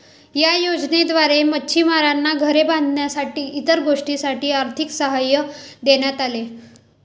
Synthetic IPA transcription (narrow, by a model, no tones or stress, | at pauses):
jajod͡ʑned̪ʋaɾeməːt͡ɕʰimaɾanːaɡʱəɾebãnd̪ʱnjasaʈiːit̪əɾɡoʂʈisaʈiːaɾt̪ʰiksəɦajəd̪eɳjat̪ale